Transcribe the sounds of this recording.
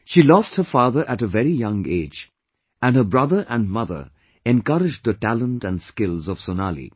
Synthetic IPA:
ʃiːlɔst̚həfɑːðə˞ʔæɾəvɛɾijʌ̃ŋeɪd͡ʒ | æ̃nɦəbɹʌðə˞ʔæ̃nmʌðə̰˞ | ɛ̃nkʌɾɨd͡ʒd̚ðəʈælə̃ntæ̃nskɪlˠzɔv̥sonalḭ

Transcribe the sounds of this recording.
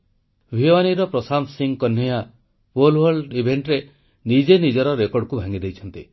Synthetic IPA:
bʱiwaniɾɔpɾɔsamsiŋkɔnjɔja | polwɔɾɖibʱeɳʈɾe | nid͡ʒenid͡ʒɔɾɔɾekɔɾɽɔkubʱaŋid̪ejt͡ʃʰɔnt̪i

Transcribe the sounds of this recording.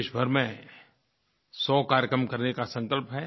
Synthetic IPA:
ʃbʱəɾmẽ | sɔːkaːɾjəkɾəmkɐɾnekasɐ̃ŋkəlpɦɛː

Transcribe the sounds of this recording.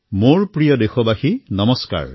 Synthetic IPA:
moɹpɹijɔdexɔbaxinɔmɔska̰ɹ

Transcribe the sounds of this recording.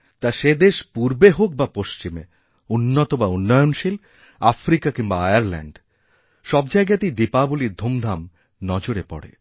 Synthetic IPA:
t̪aʃed̪eʃpuɾbeɦok̚bapoʃt͡ɕime | unːot̪obaunːɔjonʃil | afɾikakiŋbaajaɾlɛ̰ɳɖ | ʃɔbd͡ʑajɡat̪ijd̪ipabuliɾd̪ʱomd̪ʱam | nɔd͡ʑoɾepɔ̰ɽḛ

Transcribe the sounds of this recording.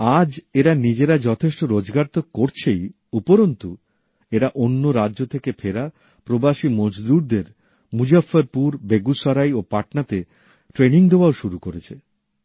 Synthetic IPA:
ad͡ʑeɾanid͡ʑeɾad͡ʑɔt̪ʰeʃʈoɾod͡ʑɡaɾt̪okkːoɾt͡ɕʰej | upoɾont̪u | eɾaʔonːoɾadːʑot̪ʰekefʰeɾa | pɾobaʃimod͡ʑd̪uɾd̪eɾ | mud͡ʑafːaɾpuɾbeɡuʃaɾajopaʈnat̪e | ʈɾeniŋd̪eoaoʃuɾukoɾet͡ɕʰe

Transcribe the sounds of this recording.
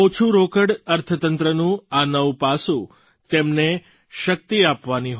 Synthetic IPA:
ot͡ʃʰũɾokəɽəɾt̪ʰət̪ənt̪ɾənũanəwpasũ | t̪emne | ʃək̚t̪iapʋaniɦ

